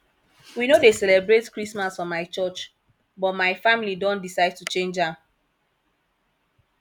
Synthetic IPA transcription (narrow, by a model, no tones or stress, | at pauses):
winodesɛlɛbɹetkɹismasfɔ̃mːaɪt͡ʃɔt͡ʃ | bɔtmaɪfamilidɔ̃ndisaɪd̚tut͡ʃẽnd͡ʒãm